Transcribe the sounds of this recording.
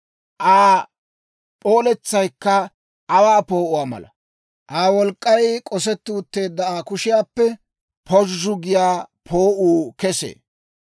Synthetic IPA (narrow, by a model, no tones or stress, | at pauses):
ʔaː | pʼo̞ːlɛt͡sːɐjkːɐ | ʔːwaːpo̞ːʔʊwaːmɐ̰lɐ̰ | ʔaːwɔlkʼːɐjkʼɔsɛt̪ːuːt̪ːe̞ːd̪ːɐaːkʊʃɪjaːpːɛ | pʰɔʒːʊɡɪjaːpʰoːʔuːkɛsḛː